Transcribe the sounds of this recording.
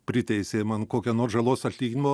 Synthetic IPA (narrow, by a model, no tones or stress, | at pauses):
pʲɾʲɪt̪ʲɛɪsʲeːmɐnkoːkʲɛnoːrsʒɐlˠoːsɐt̪ʲlʲiːɡʲɪnʲɪmoː